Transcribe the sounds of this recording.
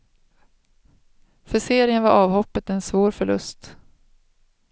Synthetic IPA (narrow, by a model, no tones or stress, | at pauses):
fœseːɾɪənvaɾɑːvhɔpːət̪ɛnsvoːɾfœɭɵ̰st̪